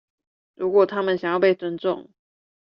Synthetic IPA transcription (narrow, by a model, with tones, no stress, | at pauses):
ɻu˧˥kwɔ˨˩t̪ʰa˥mə˨nɕjɑ˨ŋjɑ˥˧ʊpe˥˩ɪt͡swə˥nʈ͡ʂʊ̰˥˨ŋ